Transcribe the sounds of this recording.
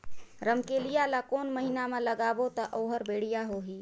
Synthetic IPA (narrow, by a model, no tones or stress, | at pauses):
ɾəmkelijalakoːnməɦinameləɡaːbot̪əʔoːɦəɾbeːɽ̤ijaɦoɦi